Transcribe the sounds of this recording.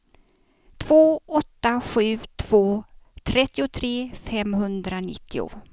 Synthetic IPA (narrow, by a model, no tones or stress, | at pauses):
t̪ʰv̥oːɔt̪ːaɧʉ̟ːt̪ʰv̥oːt̪ʰɾɛt̪ːɪʊt̪ʰɾeːfɛmɦɵnd̪ɾanɪ̰t̪ʰːɪʊ̰